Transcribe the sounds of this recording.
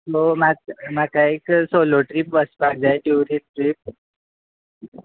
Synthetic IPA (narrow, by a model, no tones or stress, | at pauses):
somamakaeksoloʈɾipʋəspak̚d͡zajʈuɾiʈɾip̚